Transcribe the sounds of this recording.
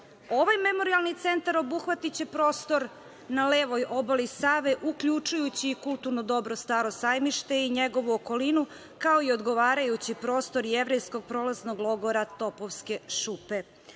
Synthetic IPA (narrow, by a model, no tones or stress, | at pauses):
o̞ʋajme̞mo̞ɾialˠnit̪se̞nt̪aɾo̞buxʋat̪it͡ɕe̞pɾo̞ːst̪o̞ɾ | naleːʋo̞jʔo̞bolisaːʋe̞ʔukʎut͡ʃujut͡ɕiːkulˠt̪uɾnod̪o̞bɾo̞st̪aɾo̞sajmiʃt̪e̞iɲeɡo̞ʋuoko̞linu | kaoio̞d̪ɡo̞ʋaːɾajut͡ɕipɾo̞ːst̪o̞ɾjeʋɾejsko̞ɡ̚pɾo̞lazno̞ɡlˠo̞ɡo̞ɾat̪o̞poʋske̞ʃupe